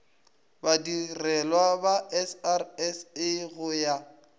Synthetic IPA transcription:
badirɛlwabaɛsarɛsɪɣʊja

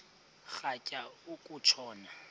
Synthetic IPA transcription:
k͡xacʼaʊkʼʊt͡ʃʰɔːna

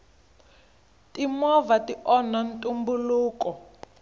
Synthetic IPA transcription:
tʼimɔvatiʔɔnantʼumbuluːkɔ

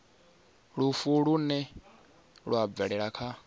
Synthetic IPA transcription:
ɺufuɺunɛ | ɺuab̪vɛɺɛɺakʰa

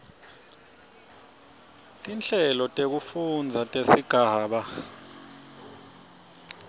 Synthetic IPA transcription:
tʼinɬʼɛlɔtʼek̬ufund͡zʱatʼesiɡ̥ʱaːɓa

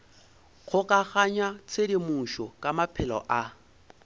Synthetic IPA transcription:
k͡xʰʊkʼaɣaɲwat͡sʰedimuʃɔkʼamapʰɪlɔ̰ʔa

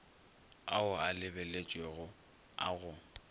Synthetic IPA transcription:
aʊalɪbɛlet͡ʃʼweɣʊ | a̰ɣʊ

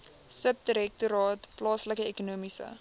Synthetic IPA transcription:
səp̚diɾɛk̚tuɾɑːtplɑːsləkəekunuəmisə̰

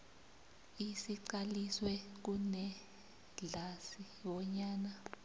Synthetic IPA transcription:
isiǀaliswɛk̬unɛ | ɮasi | ɓɔɲaːna

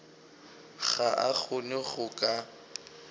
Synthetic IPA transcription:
ɣaʔaɣʊnɪɣʊkʼa

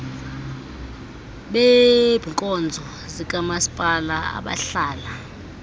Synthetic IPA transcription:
ɓeb̥ʱiŋkʼɔnd͡zʱɔ | zikʼamasi̥pʼalaa̰ɓa̰ɬaːla

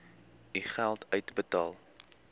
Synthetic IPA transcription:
iχælˠtʰœɥtəbətɑːlˠ

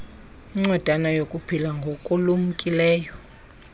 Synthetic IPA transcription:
iŋ͡ǀwɛd̥ʱanajokʼupʰilaŋɡʱokʼulumukʼilɛːjɔ

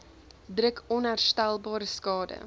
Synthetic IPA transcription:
drəkʰɔnɦærstælˠbɑːɾəskɑːdə̰

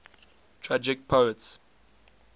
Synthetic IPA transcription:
tʰɹad͡ʒɪk̚pʰoəts

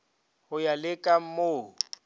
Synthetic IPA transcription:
hʊjalɪkʼam̩moːʊ

